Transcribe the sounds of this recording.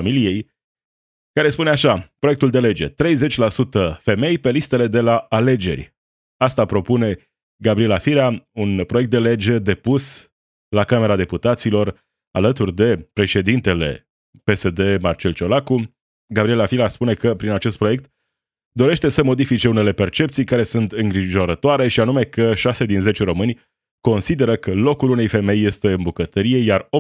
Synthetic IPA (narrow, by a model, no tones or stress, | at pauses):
amilije̞j | kaɾe̞spuneaʃapɾoe̞kt̪uld̪e̞le̞d͡ʒe̞̰t̪ɾe̞jze̞t͡ʃʲlasut̪əfe̞me̞jpe̞list̪e̞le̞d̪e̞laale̞d͡ʒe̞̰rʲ | ast̪apɾo̞pune̞ | ɡabɾie̞lafiɾaunpɾo̞je̞k̚t̪d̪e̞le̞d͡ʒe̞d̪e̞pus | lakame̞ɾad̪e̞put̪at̪silo̞r | a̰lət̪urʲd̪e̞pɾe̞ʃe̞d̪int̪e̞le̞̰ | pe̞se̞d̪e̞mart͡ʃe̞lt͡ʃo̞laku | ɡabɾie̞lafilaspune̞kəpɾinat͡ʃe̞st̪̚pɾo̞je̞k̚t̪ | d̪o̞ɾe̞ʃt̪e̞səmo̞d̪ifit͡ʃe̞une̞le̞pe̞rt͡ʃe̞pt̪sijkaɾe̞sunt̪ɨŋɡɾiʒo̞ɾət̪oaɾe̞ʃianume̞kəʃase̞d̪inze̞t͡ʃeɾomɨnʲ | ko̞nsid̪e̞ɾəkəlo̞kulune̞jfe̞me̞jːe̞st̪e̞ɨnbukət̪əɾije̞jaro